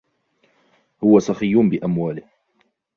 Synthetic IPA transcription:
hʊwasɑxijːʊnbɪʔamwaːlɪh

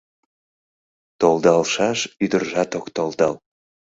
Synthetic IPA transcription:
t̪old̪ɑlʃɑʃyd̪ərʒɑt̪okt̪old̪ɑl

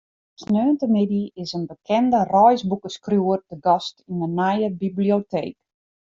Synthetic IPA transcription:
snøːntəmɪdiɪsənbəkʰɛndərɔjsbukəskrjuərdəɡɔstinənajəbibliotʰḛːk

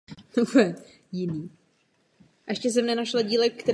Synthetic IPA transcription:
ɛ | jɪniː | ʔɛʃcɛs̬ɛmnɛnaʃlaɟiːlɛkkt̪ɛɾ

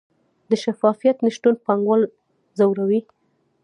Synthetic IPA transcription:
d̪əʃafɑfijat̪nəʃʈ̪unpaŋɡwɑl | zawɾawi

